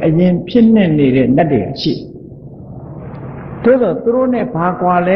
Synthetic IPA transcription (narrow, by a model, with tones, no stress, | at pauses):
ʔəjɪ̃˨pʰjɪ˦˨n̥ɪ̰̃˨ne˨ɾɛ̰˦˨na˦˨tːḛ˨ʃḭ˦˨ | d̥o̰˦˨d̪ɔ˨t̪u˨ɾo̰˦˨nɪ̰̃˦˨ba˨kwa˨lɛ˦